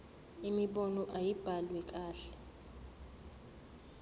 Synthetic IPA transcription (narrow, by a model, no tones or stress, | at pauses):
imiɓɔnɔʔajib̥ʱalwɛk̬ʼaːɬɛ̥